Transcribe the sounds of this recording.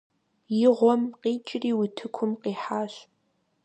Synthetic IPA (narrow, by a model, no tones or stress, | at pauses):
jɪʁʷɔmqiːt͡ʃʼɪriːwʊtʰɨkʷʰʊmqiːħaːɕ